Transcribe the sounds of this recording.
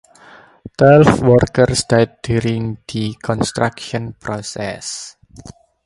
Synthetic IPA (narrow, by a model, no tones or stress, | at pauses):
t̪wɛlfwɔrkərstat̚djuɾĩŋd̪əkʰɔ̃nst̪ɹakʃɔ̃npʰɾɔsɛ̰s